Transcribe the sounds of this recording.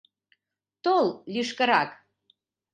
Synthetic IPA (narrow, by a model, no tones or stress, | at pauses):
t̪ollyʃkə̆ɾɑk